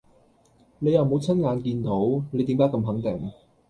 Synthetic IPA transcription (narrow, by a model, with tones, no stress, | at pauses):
ne˨˧jɐ˨˩wmo˨˧wt͡sʰɐ˥nŋaː˨˧nkiː˧nt̪o˨˥wne˨˧jt̪iː˨˥mkaː˥kɐ˧mɦɐ˨˥ŋt̪ɪ˨˩ŋ